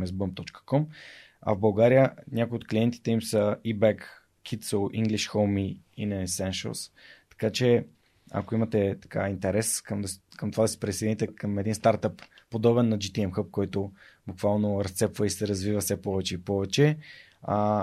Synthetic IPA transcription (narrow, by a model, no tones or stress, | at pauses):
mɛzbəmp̚t̪ɔt͡ʃkə̥kɔm | ɐ̰vbɐlˠɡaɾijəɲʲakojot̪̚kliɛnt̪i̥t̪ɛimsəibɛkːʰ | it̪səlˠḭŋɡliʃxolˠmiinɐɛsɛnʃə̰lˠst̪ɐ̥kat͡ʃɛ | ɐ̰koimɐt̪ɛt̪ɐ̥ka̰int̪ɛɾɛskəmd̪kəmt̪ovad̪ɐsɛ̥pɾisɛjd̪init̪ɛkəmɛd̪inst̪aɾt̪əpːod̪ɔbɛnːɐd͡ʒit̪iɛmxəp̚kɔjt̪obukvalˠnoɾɐst̪sɛpvəisɛɾɐzvivəfsɛpɔvɛt͡ʃɛipɔvɛt͡ʃɛ | a